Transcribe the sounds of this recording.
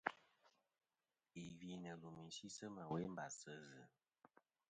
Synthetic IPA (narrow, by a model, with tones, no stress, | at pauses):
i˨vi˨nə˨lu˨mi˨si˦sə˦mə˨we˨˦m˦ba˨sə˦zɨ˨